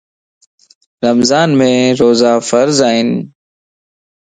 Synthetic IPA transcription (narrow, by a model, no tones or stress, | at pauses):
ɾəmzaːnmẽːɾoːzaːfəɾzaːɦɪn